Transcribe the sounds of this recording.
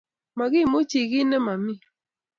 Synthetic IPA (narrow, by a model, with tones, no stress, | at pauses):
ma˨ɡi˦˨mo˦t͡ʃi˨ɡɪ˦nɛ˦ma˨mi˦